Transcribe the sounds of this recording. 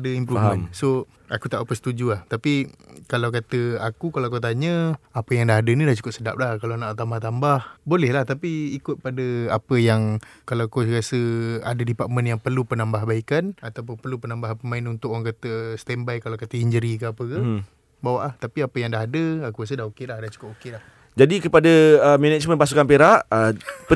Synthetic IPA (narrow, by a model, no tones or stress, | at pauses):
dəimpɾumə̃nso | akut̪aʔupəst̪ud͡ʒuaht̪apikalawkat̪əakukalakot̪̬aɲə̃apəjaŋdaɦadənidaht͡ʃu̥kʊt̪̚səda̰p̚lahkalanaʔt̪amat̪ambahbolɛhlaht̪apiːkʊt̪̚padəapəjaŋkalawakorasəa̰dədipat̪̚mənjaŋpərlupənambaɦbaikanat̪awp̬ʊnpərlupənambaɦapəmaɪnunt̪ʊkaŋkat̪əst̪ɛmbajkalakat̪əiɲd͡ʒəɾikəapəkə | bawaʔlaht̪apiapəjaŋdaɦadəakuras̬ədahokelahdaht͡ʃu̥kʊp̚okelah | d͡ʒadikəpadəəmenɛt͡ʃmə̃npasukanpeɾaʔəpə